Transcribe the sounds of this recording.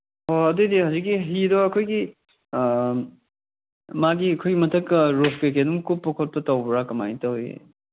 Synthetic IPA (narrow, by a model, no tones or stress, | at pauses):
oɐdudiɦawzik̚ːiɦidoɐkʰojɡi | maɡiɐkʰojɡimɐtʰɐkɾopkek̬edumkupːokʰot̚pɐtawbɾakɐma̰jtɐwjḛ